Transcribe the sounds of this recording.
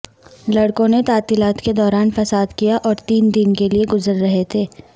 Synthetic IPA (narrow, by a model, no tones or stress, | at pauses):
lɐɽkõnet̪aːt̪iːlaːt̪ked̪ɔːɾaːnfɐsaːd̪kijaʔɔːɾt̪iːnd̪ɪnkelieɡʊzəɾːɐɦet̪ʰeː